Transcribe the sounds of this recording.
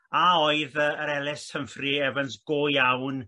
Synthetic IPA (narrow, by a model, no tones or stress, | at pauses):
aoɨðəəɾɛlɪstʰəmfriɛvənsɡ̥oːjawn